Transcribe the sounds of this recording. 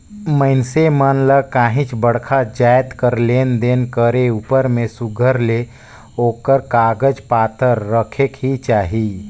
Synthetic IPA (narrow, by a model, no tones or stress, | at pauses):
məɪnsemənləkaːɦĩt͡ʃbəɽkʰad͡ʒaːjt̪kəɾlend̪enkəɾeupəɾmẽsuɡʱəɾle | oːkəɾkaːɡəd͡ʒpaːt̪əɾːəkʰekɦit͡ʃaːɦi